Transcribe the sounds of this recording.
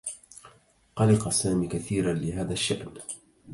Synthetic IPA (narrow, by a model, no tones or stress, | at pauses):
qɑlɪqɑsaːmiːkaθiːɾanlɪɦaːðaʃːaʔn